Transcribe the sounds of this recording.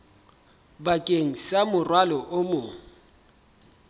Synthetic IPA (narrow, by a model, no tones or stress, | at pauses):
bakʼeŋ̩samʊrwalɔʔʊmoŋ̩